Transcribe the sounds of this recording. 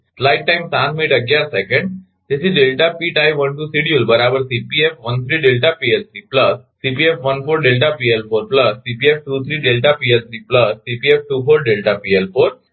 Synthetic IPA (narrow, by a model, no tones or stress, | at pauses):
slaɪʈ̚ʈãjmsãt̪miʈəɡjaɾsɛkə̃ɳɖ | t̪esiɖelʈapiːʈajʋənʈuːsiɽiulbəɾabəɾsipiefʋənt̪ʰɾiːɖelʈapielt̪ʰɾiːpləsːipiefʋənfoːɾɖelʈapielfoɾpləsːipiefʈuːt̪ʰɾiːɖelʈapielt̪ʰɾiːpləsːipiefʈufolɖelʈapielfoːɾ